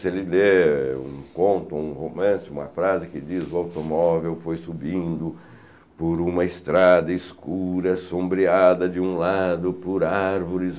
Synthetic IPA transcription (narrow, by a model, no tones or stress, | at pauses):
sɪelɪleṵ̃kõnt̪ʊũhomɐ̃sɪṵ̃mɐfɾazɪkɪd͡ʒizʊawt̪omɔvewfojsubĩnd̪ʊ | poɾũmɐɪst̪ɾad̪ɐɪskuɾɐsõmbɾiad̪ɐd͡ʒɪũlad̪ʊpʊɾaɾvoɾɪz